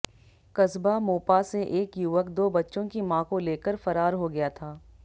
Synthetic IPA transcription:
kɐzbamoːpaseʔeːkjuːʋəkd̪oːbɐtːʃõkimãːkõleːkəɾfɐɾaːɾɦoɡɐjat̪ʰaː

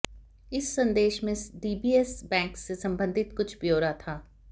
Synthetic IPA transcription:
ɪsːɐ̃nd̪eːʃmẽɖiːbiːɛsbɛ̃ːŋksːesɐ̃mbə̃nd̪ʱɪt̪kʊt͡ʃʰbijoːɾat̪ʰaː

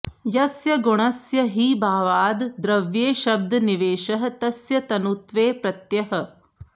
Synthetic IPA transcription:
jɐsjɐɡuɳ̃ɐsjɐɦiːbaːʋaːd̪d̪ɾɐʋjeːʃɐb̚d̪niʋeːʃɐɦɐ̆t̪ɐsjɐt̪ɐnut̪ʋeːpɾɐt̪jɐɦɐ̆

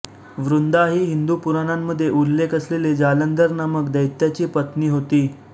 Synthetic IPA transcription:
ʋɾund̪aɦiːɦind̪upuɾanamːəd̪ʱːjeʔulːekʰəsleled͡zalənd̪əɾnəməkd̪əjt̪jat͡ɕiːpət̪niːɦot̪iː

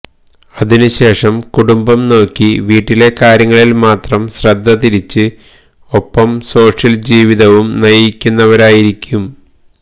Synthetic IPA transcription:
ɐðinuɕe̞ːʂɐmkuɽumbɐmno̞ːkʲːiʋiːʈːile̞kaːɾjɐŋːɐɭilmaːt̪rɐmɕrɐd̪ʱːɐt̪iɾit͡ɕːɨ | o̞pːɐmso̞ːʂjɐld͡ʑiːʋiðɐʋumnɐjikʲːunːɐʋɐɾaːjiɾikʲːum

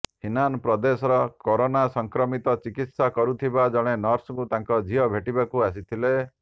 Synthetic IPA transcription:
hinanpɾɔd̪esɔɾɔkoɾonasɔŋkɾɔmit̪ɔt͡ʃikit̪sakɔɾut̪ʰibad͡ʒɔɽ̃enɔɾsɔŋkut̪aŋkɔd͡ʒʱiɔbʱeʈibakuas̬it̪ʰile

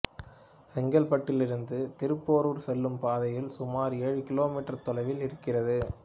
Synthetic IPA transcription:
sɛŋɡɐlpɐʈːɪlɪɾɯnd̪ɯt̪ɪɾɯpːoːɾuːɾsɛlːɯmpaːðɐjɪlsʊmaːɾeːɻɯkɪloːmiːʈːɐɾt̪ɔlɐɪʋɪlɪɾɯkːɪrɐðɯ

